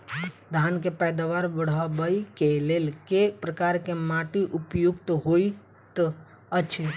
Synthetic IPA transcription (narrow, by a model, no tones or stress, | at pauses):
d̪ʱaːnkepɛːd̪aʋaːɾbəɽ̤abəikeleːlkepɾəkaːɾkemaʈiʔʊpjʊɡt̪ɦoi | t̪ə | ət͡ʃʰe